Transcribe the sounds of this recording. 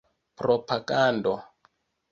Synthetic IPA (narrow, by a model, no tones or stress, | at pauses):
pɾɔpaɡandɔ